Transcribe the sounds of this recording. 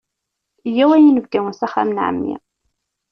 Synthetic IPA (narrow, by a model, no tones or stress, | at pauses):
jæwæjinəvkæwənsæχæ̰mənʕa̰mːḭ